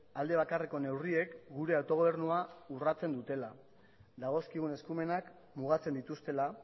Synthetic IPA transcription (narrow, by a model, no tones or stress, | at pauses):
ald̪e̞β̞akare̞ko̞ne̞wrie̞kɡuɾe̞awt̪o̞ɣ̞o̞β̞e̞ɾnuaurat͡se̞nd̪ut̪e̞la | d̪aɣ̞o̞skiɣune̞skume̞nak | muɣat͡se̞nd̪it̪ust̪e̞la